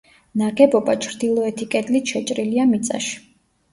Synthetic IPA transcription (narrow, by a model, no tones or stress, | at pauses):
naɡɛbɔbat͡ʃʰɾd̪ilˠɔɛt̪ʰikʼɛd̪lit̪ʃɛt͡ʃʼɾiliamit̪sʼa̰ʃi̥